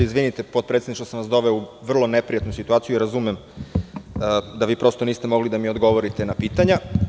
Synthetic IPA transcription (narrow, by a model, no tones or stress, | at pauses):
izʋinit̪epot̪̚pɾet̪eniʃt̪osanʋasd̪o̞ʋeuʋr̩lˠo̞ne̞pɾijat̪nusit̪uaːt̪sijuiɾazumem | d̪aʋiːpɾo̞st̪o̞niːst̪e̞mo̞ɡlid̪amio̞d̪ɡo̞ʋo̞ɾit̪e̞napiːt̪aɲa